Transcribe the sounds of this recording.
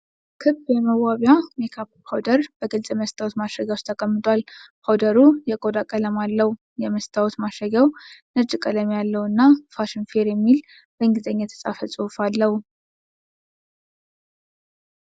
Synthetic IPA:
kʰɨbjɛməwaβjamekʰappʰawd̪əɾb̥əɡɨlsʼjɛməst̪ʰʼawot̪maʃəɡawt͡ʃt̪ʰəkʼəmːɨt̪ʼwalpʰawd̪əɾujɛkʼod̪akʼələmalːəw | jɛməst̪ʰawot̪maʃəɡawnəd͡ʒɨkʼələmjalːəwɨnːafaʃɪnfeɾjɛmːil | bəɨŋɡɨzʼəɲːɛt̪ʰə̥sʼa̰fəsʼufalːəhu

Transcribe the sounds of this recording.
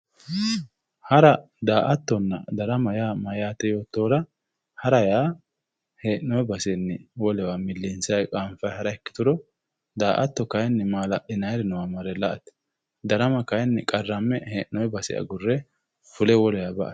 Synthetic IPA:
hɐɾɐ | d̪aːʔɐt̪ːɔnːɐd̪ɐɾɐmɐjaːmɐjaːt̪ɛjo̞ːt̪ːo̞ːɾɐ | hɐɾɐjaː | heːʔnɔjɛbɐsɛnːɪwɔlɛwamɪlːɪnsɐjkʼaːmfɐjhɐɾɐɛkːɪ̥t̪ʊɾɔ | d̪aːʔɐt̪ːɔkɐjnːmaːlɐʔɪnɐjɾɛnɛwamɐɾɛlɐʔɐt̪ɪ̥ | d̪ɐɾɐmɐkɐjnːkʼɐrːɐmːɛheːʔnːɔjbɐsɪ̰ɐ̰ɡʊrːɛ | fʊlɛwɔlɛjabɐʔɐ̰

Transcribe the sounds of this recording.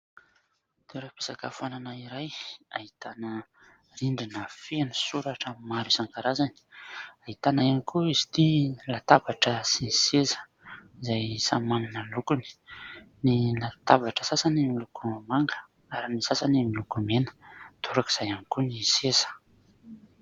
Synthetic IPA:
d̪̥eɾape̥sakəfananaiɾaja̰ɦit̪anə | riɳɖ͡ʐinəfenusuɾaʈ͡ʂəmaɾusaŋɡaɾazani̥aɦit̪anaanikʰuizi̥t̪ilat̪avaʈ͡ʂəsinisezə̥ | izajsamananəlukuni̥nilat̪avaʈ͡ʂə̥sasanimilukumaŋɡə̥ | aɾinisasanimilukumenə̥t̪ʰuɾakiz̥ajanikunisesə̥

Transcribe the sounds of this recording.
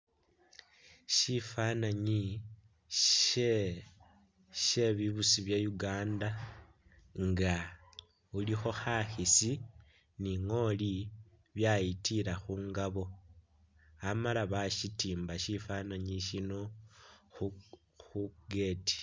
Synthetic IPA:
ʃifanaɲi | e | ʃe̞βiβusiβjajuɡaːnda | ŋɡa | ulixo̞xaxisi | niŋo̞li | βjajitiɾaxuːŋɡaβo̞ | amalaβaʃitiːmbaʃifanaɲiʃino̞ | xuɡe̞ːti̥

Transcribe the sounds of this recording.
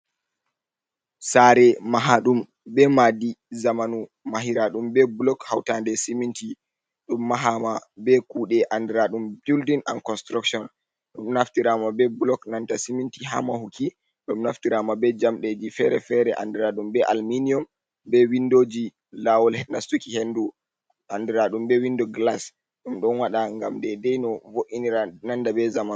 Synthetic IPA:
saɾɛmaɦaɗum | bɛmadizamanu | maɦiɾaɗumbɛbulɔkhawtandɛsiminti | ɗumːaɦamabɛkuɗɛʔandɛɾaɗumbuldina̰nkɔnstɾakʃɔn | ɗumnaftiɾamabɛbulɔknantasimintiɦa̰mahuki | ɗumnaftiɾamabɛd͡ʒamɗed͡ʒifɛɾɛfɛɾɛʔa̰ndɛɾaɗumbɛʔalminiɔm | bɛwindod͡ʒi | lawɔlhɛnastukihendu | ʔandiɾaɗumbɛwindɔɡlas | ɗumɗɔnwaɗaŋɡa̰mdɛdɛjnɔvoʔiniɾanandabɛzaman

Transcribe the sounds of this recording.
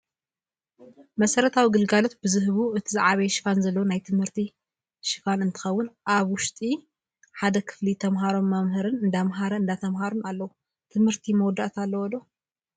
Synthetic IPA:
mɐsɐɾɐt̪ʰawiɡɨlɡalo̞t̪̚bɨzɨɦβuɨt̪ʰizaʕaβɐʃɪ̥fanzɐlːɐwonajt̪ʰɨmhɨɾt̪ʰi | ʃɪfanɨnt̪ʰɨ̥xɐwːʊnʔaβwʊʃt̪ʼi | ħad̪ɐkʰɨ̥flit̪ʰɐmɦaɾo̞mːamhɨɾɨnɨnd̪amɦaɾɐɨnd̪at̪ʰɐmɦaɾonalːɐwu | t̪ʰɨmhɨɾt̪ʰimɐwɔd̪aʔt̪ʰalːɐwɔd̪o

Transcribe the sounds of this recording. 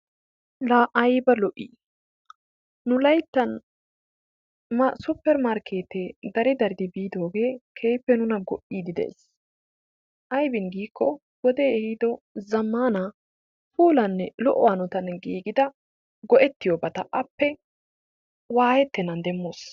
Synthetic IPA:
laʔɐjbɐlɔʔḭː | nʊlɐjt̪ːɐn | msʊpːɛɾmaːɾkʰe̞ːt̪ed̪ɐɾɪd̪ɐɾɪd̪ɪbiːd̪o̞ːɡe̞ːkʰejpːɛnʊnɐɡɔʔiːd̪ɪd̪ḛːs | ʔɐjbɪnɡiːkːɔ | wɔd̪e̞ːɛhɪd̪ɔzɐmːaːnɐ | fuːlɐnːɛlɔ̰ʔɔ̰waːnʊt̪ɐnɡiːɡɪd̪ɐ | ɡɔʔɛt̪ːɪjɔbɐt̪ɐʔɐpːɛ | waːjɛt̪ːɛnɐnd̪ɛmːoːs

